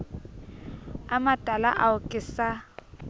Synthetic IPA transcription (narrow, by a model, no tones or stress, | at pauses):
amatʼala̰ʔaʊkʼɪsa